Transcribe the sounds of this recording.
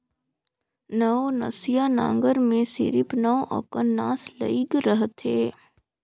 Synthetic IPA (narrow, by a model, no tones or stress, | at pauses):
nənɐ̰sijanã̰ːŋɡəɾmẽsɪ̰ɾɪpnəʋʔɐ̰kənːaːslə̰iɡɾəɦt̪ɦeː